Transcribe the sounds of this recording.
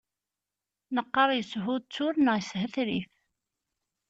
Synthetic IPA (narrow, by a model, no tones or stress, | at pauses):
nəqːəɾˤjəsɦʊd̪̚t͡sːʊɾnəjshəθɾif